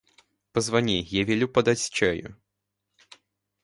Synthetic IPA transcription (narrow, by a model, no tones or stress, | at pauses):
pəzvɐnʲijavʲelʲupɐd̪atʲst͡ɕajʊ̰